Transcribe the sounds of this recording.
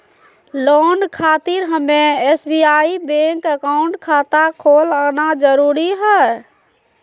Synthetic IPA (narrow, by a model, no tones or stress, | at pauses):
lonkʰat̪iɾɦəmːeesbiaibẽŋkəkauɳʈkʰat̪akʰolanad͡ʒəɾuɾiɦɛ